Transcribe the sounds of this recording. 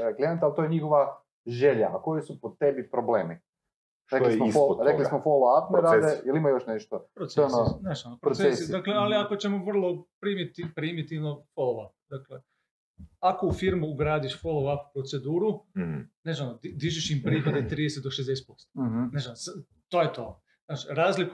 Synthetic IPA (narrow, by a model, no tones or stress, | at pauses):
klijent̪alˠt̪ojeɲixoʋa | ʒeʎako̞jesupot̪ebipɾobleːmi | ɾeoismoiooɾeklismofolaapneɾad̪ejelimajoʃneʃt̪opɾosonneʒnanopɾoseesiaklealiakot͡ɕemoʋr̩lˠo̞pɾimit̪ipɾimit̪iʋnofolˠoʋapd̪akle | akoufiɾmuːɡɾaːd̪iʃfolˠoʋaku̥pɾot̪se̞d̪uːɾuneznanod̪id̪iʒiʃimpɾipad̪et̪ɾid̪eset̪d̪oʃezd̪es̬e̥t̪̚po̞st̪o̥neʒans | t̪oːjet̪o | naːt͡ʃɾaːzlik